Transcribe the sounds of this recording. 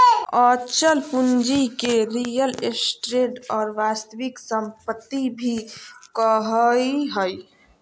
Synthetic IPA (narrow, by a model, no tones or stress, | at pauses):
ɔt͡ʃəlpund͡ʒikeɾijəlesʈɾeɖɔːɾʋast̪əʋiksəmpət̪ːibʱikəɦəjɦəj